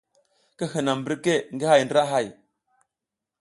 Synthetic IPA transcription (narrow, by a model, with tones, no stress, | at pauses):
kə˦hə˨na˨mbə˦ɾke˦ŋɡə˦ha˦˨jndɾa˦ɦa˦˨j